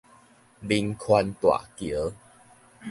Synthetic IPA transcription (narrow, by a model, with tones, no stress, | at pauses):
bi˧ŋkʰwa˧nt̪wa̰˨˩kjə˨˦